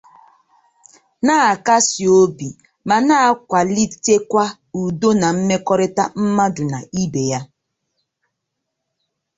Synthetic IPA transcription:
na˦˨a˨ka˦si˨o˦bi˨ | ma˨na˦a˦kʷa˨li˦te˦kʷa˦ | u˨do˦na˨m̩˦me˦kɔ˦ɾɪ˦ta˦m̩˦ma˦dʊ˨na˨i˦be˨ja˦

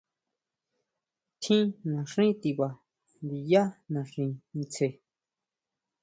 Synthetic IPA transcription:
t̪ʰĩ˦nã˨ʂĩ˦t̪i˧βa˨ | nd̪i˨ja˦nã˨ʂĩ˧nĩ˧t͡sʰe˧˨

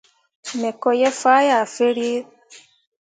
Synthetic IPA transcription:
mɛ˨kɔ˨jɛ˦fa˦ja˨fe˦ɾje˦

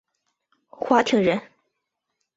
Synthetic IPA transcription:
xwa˧˥t̪ʰi˧˥ŋɻə˧˥n

